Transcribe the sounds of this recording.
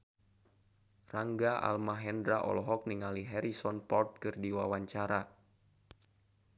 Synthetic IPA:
raŋɡaʔa̰lmaɦɛndɾaʔɔ̰lɔɦɔk̚niŋaliɦɛɾisɔnpɔrt̪̚kɨrdiwawaɲt͡ʃaɾa

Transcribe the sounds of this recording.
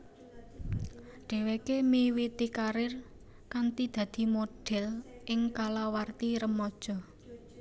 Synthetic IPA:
ɖ̥ɛ̤wekemewit̪ikaɾɪr | kant̪id̪̥ä̤d̪̥i̤moɖ̥ɛ̤lʔɪŋkalawart̪iɾəmɔd̥ʒ̥ɔ̤

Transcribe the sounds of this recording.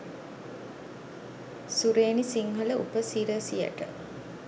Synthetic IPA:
suɾeːnisiŋɦələʔṵpəsiɾəsijə̰ʈə̰

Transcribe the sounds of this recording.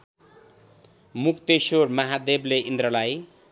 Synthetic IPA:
mukʰt̪esormʌɦad̪ebleʔind̪ɾʌlaj

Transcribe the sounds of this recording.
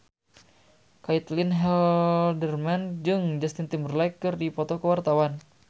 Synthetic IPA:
kait̪linɦɛldərmand͡ʒɨŋd͡ʒast̪int̪imərlajkːɨrdipɔt̪ɔkəwart̪awan

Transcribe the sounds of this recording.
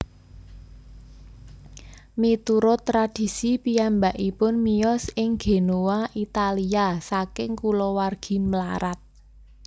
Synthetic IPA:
mit̪uɾɔt̪ɾad̥i̤sipiambaʔipʊnmijɔsɪŋɡ̥e̤nowaʔit̪aliasakɪŋkulɔwarɡ̥i̤məla̰ɾat̪̚

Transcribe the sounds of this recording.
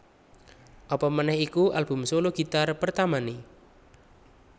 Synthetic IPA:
ʔɔpɔmənɛhikuʔalb̥ṳmsoloɡ̥i̤t̪arpərt̪amani

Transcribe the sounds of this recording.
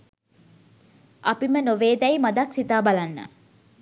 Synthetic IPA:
ʔapimənoʋeːd̪ɛjmad̪aksit̪aːbalanːə̰

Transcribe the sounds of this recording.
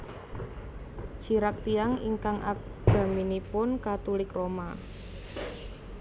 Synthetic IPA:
t͡ʃiɾak̚t̪iaŋḭŋkaŋʔa̰k̚ | ɡ̥a̤minipʊnkat̪ulɪkroma

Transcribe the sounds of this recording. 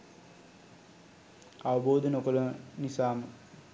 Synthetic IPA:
aʋəboːd̪ənokələnisaːmə

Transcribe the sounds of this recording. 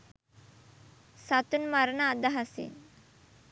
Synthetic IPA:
sat̪unmaɾənaːd̪aɦasḭn

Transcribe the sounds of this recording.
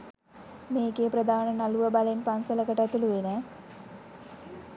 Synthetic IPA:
meːkeprəd̪ʱaːnənaluʋəbalenpansələkəʈæt̪uluʋenə

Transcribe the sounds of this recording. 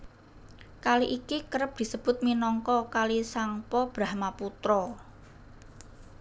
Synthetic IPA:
kaliʔikikəɾəp̚d̪̥i̤səb̥ʊ̤t̪̚minɔŋkɔkalisaŋpɔb̥ɾa̤hmaput̪ɾɔ

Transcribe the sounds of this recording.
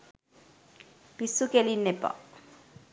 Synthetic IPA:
pisukelinːepa̰

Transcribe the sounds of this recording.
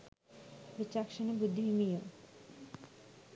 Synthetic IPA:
ɾit͡ɕakʃonebud̪ʱːiɦimijo

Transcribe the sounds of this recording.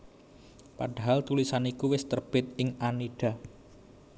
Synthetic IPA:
paɖ̥a̤ɦalt̪ulisanikuwɪst̪ərb̥ɪt̪̚ɪŋaniɖ̥a̤

